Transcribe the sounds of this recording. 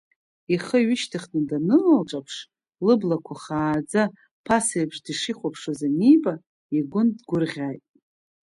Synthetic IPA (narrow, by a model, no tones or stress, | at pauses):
iχəɥɪʃtʰɨχnɨdanɨlalʈ͡ʂʼapʰʂ | lɨblakʷʰaχaːd͡za | pʰasajbʐdiʂiχʷapʰʂazanijbʼa | iɡʷʊndɡʷʊrʁʲajtʼ